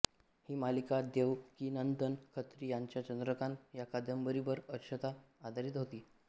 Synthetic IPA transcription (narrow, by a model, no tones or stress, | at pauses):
hiːmalikad̪eʋkinənt̪ənkʰət̪ɾiːjaɲt͡ɕjat͡ɕənd̪ɾəkanjakad̪ʱjəmbəɾibəɾəɾɕət̪aːd̪ʱaɾiːt̪ɦot̪iː